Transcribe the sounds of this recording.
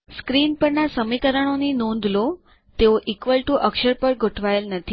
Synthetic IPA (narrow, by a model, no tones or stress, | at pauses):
skɾiːnpəɳnasəmikəɾəɳ̃oninond̪lo | t̪eoʔikʋəlʈuʔəkʂəɾpəɾɡʱoʈʰʋajəlnət̪ʰi